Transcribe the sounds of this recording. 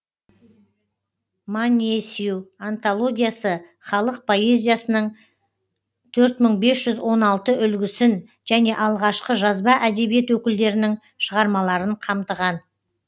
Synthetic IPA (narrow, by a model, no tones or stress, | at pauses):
manʲesiuant̪olˠo̞ɡʲijasə | χɑlˠəq̚pʰo̞e̞zʲijasənəɴ | t̪ʰɵɾt̪məɴbe̞sʒ̥ʏzwo̞nɑlˠt̪əʔʏlɡʲɪsɪn | ʒ̥æne̞ʔɑlˠʁɑʃqəʒɑzbɑʔæd̪e̞bije̞t̪wɵkʲɪld̪e̞ɾɪnɪŋ | ʃəʁɑɾmɑlˠɑɾəɴqʰɑmt̪əʁɑn